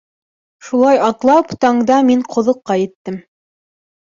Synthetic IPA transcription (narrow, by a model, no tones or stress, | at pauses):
ʃulˠɑjɑt̪lˠɑpt̪ɑɴd̪ɑmiɴqʰŏðŏqːɑjɘ̆t̪ːɘm